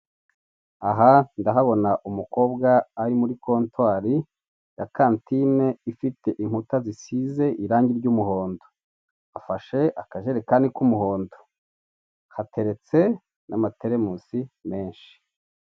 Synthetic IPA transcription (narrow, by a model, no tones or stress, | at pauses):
aɦandaɦaβo̞naʔumuko̞ːbɡaːɾimuɾikʰo̞ːntwaːɾi | jakaːntine̞ifitʰe̞ʔiŋ̥hutazisize̞ʔiɾaːɲɟiɾɟumuho̞ːndo | afaʃe̞ʔakaʒe̞ɾekaːndikumuho̞ːndo̥ | hatʰe̞ɾe̞t͡se̞ | namate̞ɾe̞musime̞ːnʃi̥